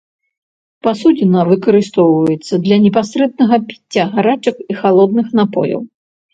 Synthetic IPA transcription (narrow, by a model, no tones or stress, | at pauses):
pasud͡zʲɛnɐvɨkɐɾɨst̪ɔwvɐjɛt̪sːɐd̪lʲɐnʲɛp̬asɾɛd̪nɐɣɐpʲi̥t͡sʲːɐɣaɾat͡ʂɐkixalˠɔd̪̚nɨxnapɔ̰jɐ̰w